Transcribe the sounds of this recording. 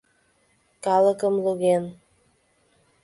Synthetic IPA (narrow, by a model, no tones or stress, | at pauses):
kɑlˠəkə̆mluɣen